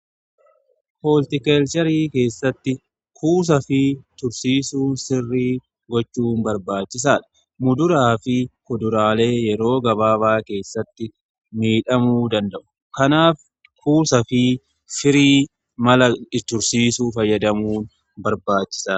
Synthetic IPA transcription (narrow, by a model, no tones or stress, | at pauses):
poːlt̪ɪkɛlt͡ʃɐɾiːke̞ːsːɐt̪ːɪ | kʰuːs̬ɐfɪt̪ʊɾsiːsuːnsɪrːiː | ɡɔt͡ʃːuːnbɐɾbaːt͡ʃːɪs̬aːᶑɐ̥ | mʊd̪ʊɾaːfɪkɔd̪ʊɾaːle̞ːjɛɾo̞ːɡɐβaːbaːke̞ːsːɐt̪ːɪ | miːᶑɐmuːd̪ɐnd̪ɐʔʊ̥ | kɐnaːf | kʰuːsɐfɪ | fɪɾiː | mɐlɐɪt̪ʊɾsiːsuːfɐjːɐd̪ɐmuːn | bɐɾbaːt͡ʃːɪ̥saː